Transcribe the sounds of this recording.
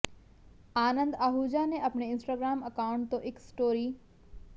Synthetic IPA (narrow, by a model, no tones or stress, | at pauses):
aːnə̃nd̪aɦuːd͡ʑanẽʔɐpɳeɪ̃nsʈaːɡɾaːmɐkaːʊ̃ɳʈt̪oʔɪksʈoːɾiː